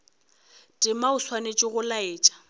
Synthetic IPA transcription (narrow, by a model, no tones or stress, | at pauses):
tʼɪmaʊswanet͡ʃʼɪɣʊlaeːt͡ʃʼḁ